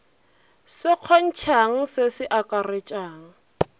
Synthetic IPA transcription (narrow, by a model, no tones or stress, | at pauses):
sɪq͡χʰɔn̩t͡ʃʰaŋ̩sɪsɪʔakʼaret͡ʃʼaːŋ̩